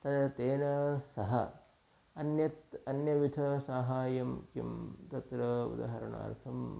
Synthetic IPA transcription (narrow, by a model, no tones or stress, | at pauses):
t̪ɐt̪ɐt̪eːnɐsɐɦɐ̰ | ɐnjɐt̪ɐnjɐʋit̪ʰɐsaːɦaːjɐmkḭmt̪ɐt̪ɾɐṵd̪a̰ːɦɐɾɐɳa̰ːɾt̪ʰɐm